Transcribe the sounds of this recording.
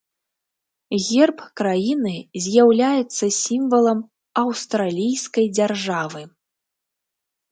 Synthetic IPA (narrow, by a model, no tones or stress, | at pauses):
ɣʲɛrpkɾajinɨzʲjawlʲajɛt̪sːɐsʲimvɐlˠɐm | ɐwst̪ɾalʲijskɐjd͡zʲarʐavɨ